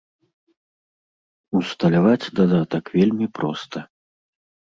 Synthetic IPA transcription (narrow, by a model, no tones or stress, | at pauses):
ust̪ɐlʲavat͡sʲd̪ad̪at̪ɐkvʲelʲmʲipɾɔst̪ʰɐ